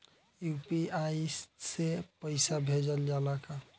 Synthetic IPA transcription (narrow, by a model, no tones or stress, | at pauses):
jupiaissepəɪsabʱed͡ʒəld͡ʒalaka